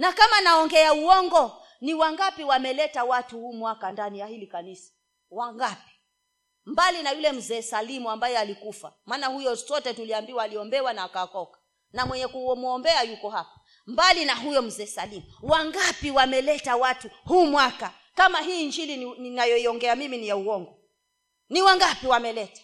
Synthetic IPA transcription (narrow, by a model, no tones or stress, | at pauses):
nakamanaɔŋɡɛauɔŋɡɔ | niwaŋɡapiwamɛlɛtawatuhuːmwakandanijahilikanisḁ | waŋɡapi̥ | mbalinajulɛm̩zɛːsalimuambajɛalikufa̰maːnahujɔsɔtɛtuliambiwaːliɔmbɛwanaakaakɔkḁ | namwɛɲɛkumuɔmbɛajukɔɦapḁ | mbalinaɦujɔm̩zɛːsalimuwaŋɡapiwamɛlɛtawatuhuːmwaka | kamaɦiːnd͡ʒiliinajɔiɔŋɡɛamiminijauwɔŋɡɔ | niwaŋɡapiwamɛlɛtḁ